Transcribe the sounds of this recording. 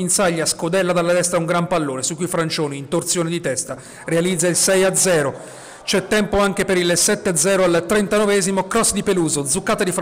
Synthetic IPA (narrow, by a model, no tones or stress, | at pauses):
insaʎːaskod̪ɛlːad̪alːad̪ɛst̪ɾauŋɡɾampalːoːnesukːujfɾant͡ʃoːniːnt̪ort̪sjoːned̪it̪ɛst̪a | realid̪zːailsɛjad̪zɛːɾo | t͡ʃɛt̪ːɛmpoaŋk̟epeɾilsɛt̪ːead̪zɛːɾoalt̪ɾent̪anɔvɛːzimokɾɔsːd̪ipeluːzod̪zːukːaːt̪ad̪if